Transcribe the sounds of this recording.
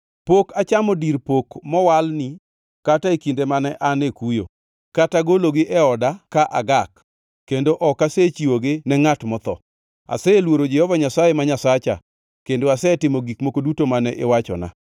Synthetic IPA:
pokat͡ʃamɔdiɾpokmɔwalni | kataekindemanɛʔanekujo̰ | kataɡoloɡɪʔɛɔdakaʔa̰ɡak | kːendoʔɔkaset͡ʃiwoɡɪnɛŋatmɔt̪ɔ̰ | a̰sɛelwoɾod͡ʒɛhɔvaɲasajemaɲasat͡ʃa̰ | kendoasɛtɪmoɡikmokodutomanɛʔɪwat͡ʃɔ̰na̰

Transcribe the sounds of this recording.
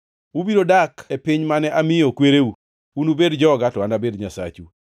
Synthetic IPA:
ubidodakepiɲmanɛʔamɪjokweɾeu | unubedd͡ʒɔɡatɔandabedɲasa̰t͡ʃu

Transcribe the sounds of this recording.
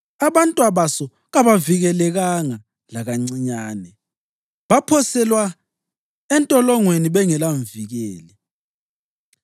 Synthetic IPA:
aβantʼwaβasɔ | ɣaβaviɣɛlɛɣaŋa | laɣaŋ͡ǀiɲaːnɛ | βapʰɔsɛlwa | ɛntʼɔlɔŋweniβɛŋɛlaɱviɣɛːlɛ

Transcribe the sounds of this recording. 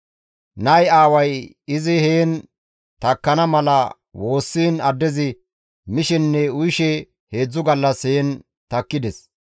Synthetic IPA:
nɐjaːwɐj | ɪzɪheːn | t̪ɐkːɐnɐmɐlɐ | wo̞ːsːiːnɐd̪ːɛzɪ | mɪʃɛnːɛʊjɪʃɛ | he̞ːd͡zːʊɡɐlːɐsheːn | t̪ɐkːɪd̪ɛs

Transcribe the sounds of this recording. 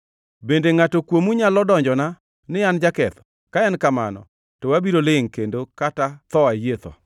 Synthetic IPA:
bendeŋatokwomuɲalɔdɔɲd͡ʒɔna | nɪjand͡ʒakɛt̪ɔ̥ | kaɛnkama̰nɔ̰ | tɔwabiɾolɪŋkendokatat̪ɔajet̪ɔ̰

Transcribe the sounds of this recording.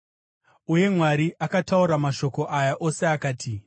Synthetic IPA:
uje̞mwaɾiʔakatauɾamaʃo̞ko̞ʔajaʔo̞se̞akaːti

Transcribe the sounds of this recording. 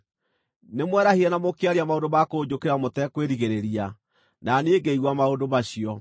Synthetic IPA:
nemwɛɾaheɾɛnamokeaɾeamaondomakoːd͡ʑokeɾamotɛkweɾiɣeɾeɾia | naneeɡeiɣwamaondomaɕiɔ

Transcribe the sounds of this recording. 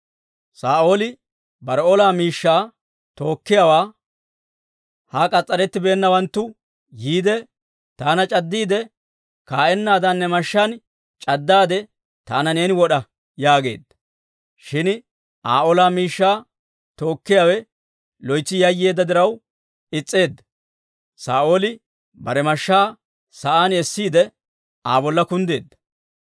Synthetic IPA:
saːʔoːlɪ | bɐɾɔlaːmiːʃːaː | t̪o̞ːkːɪjawaː | haːkʼɐt͡sʼːɐɾɛt̪ːɪbe̞ːnːɐwɐnt̪ːʊ | jiːd̪ɛ | t̪aːnɐt͡ʃʼɐd̪ːiːd̪ɛ | kaːʔɛnːaːd̪ɐnːɛmɐʃːɐn | t͡ʃʼɐd̪ːaːd̪ɛ | t̪aːnɐne̞ːnɪwɔɗɐ | jaːɡe̞̰ːd̪ːɐ̥ | ʃɪn | ʔaːʔolaːmiːʃːaː | t̪o̞ːkːɪjaːwɛ | lɔjt͡sːɪjɐjːe̞ːd̪ːɐd̪ɪɾɐw | ɪt͡sʼːe̞ːd̪ːɐ | sa̰ːʔoːlɪ | bɐɾɛmɐʃːaː | sɐʔaːnɛsːiːd̪ɛ | aːbɔlːɐkʊnd̪e̞ːd̪ːɐ̥

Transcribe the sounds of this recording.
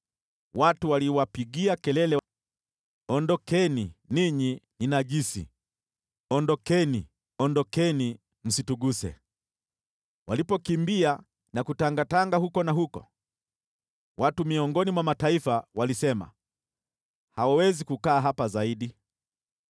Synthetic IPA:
watuwaliwapiɠiakɛlɛlɛ | ɔndɔkɛniniɲininaʄisḭ | ɔndɔkɛni | ɔndɔkɛni | m̩situɡusɛ̰ | walipɔkimbia | nakutaŋɡataŋɡahukɔnaɦukɔ̰ | wʔatumiɔŋɡɔnimwamataifawalisɛma̰ | hawawɛzikukaːɦapazaiɗi

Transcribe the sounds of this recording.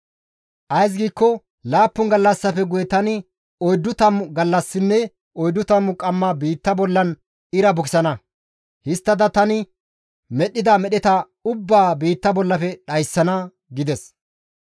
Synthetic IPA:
ʔɐjs̬ɡiːkːɔ | laːpːʊŋɡɐlːɐsːɐfɛɡʊjɛt̪ɐnɪ | ɔjd̪ːʊt̪ɐmɡɐlːɐsːɪnːɛ | ɔjd̪ːʊt̪ɐmʊkʼɐmːɐbiːt̪ːɐbɔlːɐn | ɪɾɐbʊkɪsɐnɐ | hɪst̪ːɐd̪ɐt̪ɐnɪ | mɛɗɪd̪ɐmɛɗɛt̪ɐ | ʊbːaːbiːt̪ːɐbɔlːɐfɛɗɐjsːɐnɐ | ɡɪd̪ɛs

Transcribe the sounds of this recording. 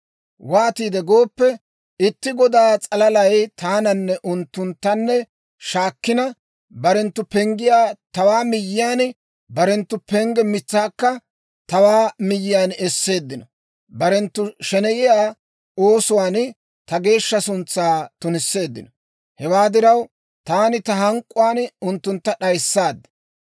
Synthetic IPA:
waːt̪iːd̪ɛɡo̞ːpːɛ | ɪt̪ːɪɡɔd̪aːt͡sʼɐlɐlɐjt̪aːnɐnːɛʔʊnt̪ːʊnt̪ːɐnːɛ | ʃaːkːɪnɐ | bɐɾɛnt̪ːʊpɛŋɡɪjaːt̪ɐwaːmɪjːɪjaːn | bɐɾɛnt̪ːʊpɛŋɡɛmɪt͡sːaːkːɐ | t̪ɐwaːmɪjːɪjaːnɛsːe̞ːd̪ːɪnɔ | bɐɾɛnt̪ːʊʃɛnɛʔɪjaː | o̞ːsʊwaːn | t̪ɐɡe̞ːʃːɐsʊnt͡sːaːt̪ʊnɪsːe̞ːd̪ːɪnɔ | hɛwaːd̪ɪɾɐw | t̪aːnɪt̪ɐɦɐŋkʼːʊwaːnʊnt̪ːʊnt̪ːɐɗɐjsːaːd̪ːɛ̥

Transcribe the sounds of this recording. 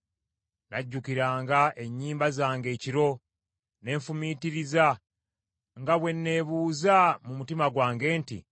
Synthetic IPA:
naɟːukiɾaːŋɡaʔe̞ɲːiːmbazaːŋɡe̞ːciɾo̞ | ne̞ːɱfumiːtiɾiza | ŋɡaβwe̞nːe̞ːβuːzamumutimaɡwaːŋɡe̞ːntḭ

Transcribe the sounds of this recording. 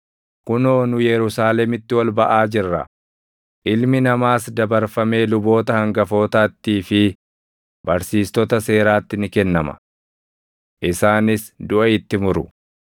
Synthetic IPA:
kʊnoːnʊjɛɾʊsaːlɛmɪt̪ːɪwɐlbɐʔaːd͡ʒɪrːɐ̰ | ʔɪlmɪnɐmaːsd̪ɐbɐɾfɐme̞ːlʊbo̞ːt̪ɐhɐŋɡɐfo̞ːt̪aːt̪ːiːfɪ | b̥ɐɾsiːst̪ɔt̪ɐse̞ːɾaːt̪ːɪnɪkɛnːɐmɐ̰ | ʔɪsaːnɪsd̪ʊʔɐɪt̪ːɪmʊɾʊ

